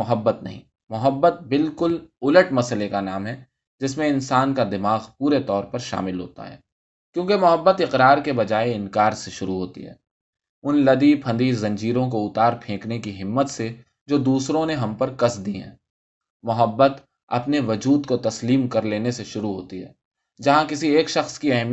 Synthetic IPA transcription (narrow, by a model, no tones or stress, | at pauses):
ʊɦəbːət̪nɐ̰ɦĩː | mʊɦəbːət̪̚bɪlkʊlʊləʈmɐsəlekanaːmɦɛː | d͡ʒɪsmẽɪnsaːnkad̪ɪmaːɣpuːɾet̪ɔːɾpɐɾʃa̰ːmɪlɦo̰ːt̪a̰ɦɛ̰ː | kjõːkemʊɦəbːət̪ɪqɾaːɾkebɐd͡ʒaːeɪnkaːɾseʃʊɾuɦoːt̪ḭɦɛ̰ː | ʊnlɐd̪ipʰɐ̃nd̪izɐ̃ɲd͡ʒiːɾõk̬oʊt̪aːɾpʰẽːknekiɦɪmːət̪se | d͡ʒoːd̪uːsɾõneɦɐ̃mpɐɾkɐsd̪iɦɛ̰̃ː | mʊɦəbːət̪ | ɐ̰pneʋɐd͡ʒuːd̪kot̪ɐsliːmkɐɾleːneseʃʊɾuɦoːt̪iɦɛ̰ː | d͡ʒɐɦãkɪsieːkʃɐxskiɛɦm